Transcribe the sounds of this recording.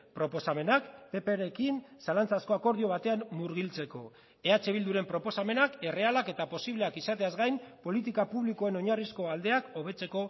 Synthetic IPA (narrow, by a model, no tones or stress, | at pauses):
pɾo̞po̞same̞nakpe̞peɾe̞kinsalant͡sasko̞ako̞ɾð̞io̞βat̪e̞ammuɾɣilt͡se̞ko̞̰ | e̞at͡se̞β̞ild̪uɾe̞mpɾo̞po̞same̞nake̞re̞alake̞t̪apo̞siβle̞akisat̪e̞azɡajmpo̞lit̪̬ikapuβlikoeno̞ɲarisko̞ald̪e̞ako̞β̞e̞t͡se̞ko̞